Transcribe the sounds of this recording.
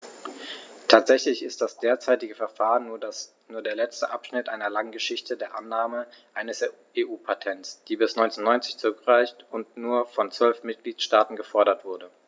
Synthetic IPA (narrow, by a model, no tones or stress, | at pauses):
tʰaːtz̥ɛçlɪçɪst̚d̥asd̥eːɐt͡saɪtɪɡəfɛɐfaːʁən | nuːɐdeːɐlɛt͡stəʔapʃnɪtʔaɪnɐlaŋɡəʃɪçtədeːɐʔanːaːməʔaɪnəs | eːʔuːpʰatʰɛntsd̥iːbɪsnɔʏnt͡sɛnːɔʏnt͡sɪçt͡sʊʁkʁaɪçtʊntnuːɐfɔnt͡sv̥œlfmɪt̚ɡ̥liːtʃtaːtn̩ɡəfɔɐɾɐtv̥ʊɐdə